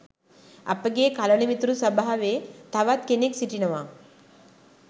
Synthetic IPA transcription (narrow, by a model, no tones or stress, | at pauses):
ɐ̰pəɡeːkalɐɳimit̪ɾusɐbaɦɐʋet̪ʰɐʋat̪keneksiʈinɐʋa